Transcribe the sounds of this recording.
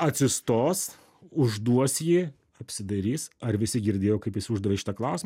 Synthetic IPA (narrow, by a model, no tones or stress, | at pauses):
ɐt̪ʲsʲɪst̪oːs | ʊʒd̪uɔsjiː | ɐpʲsʲɪd̪ɐɾʲiːsɐɾʋʲɪsʲɪɡʲɪɾʲd̪ʲeːjoːkɐɪpjɪsʊʒd̪uɔʋeːʃɪ̥t̪ɐklˠɐʊsʲɪm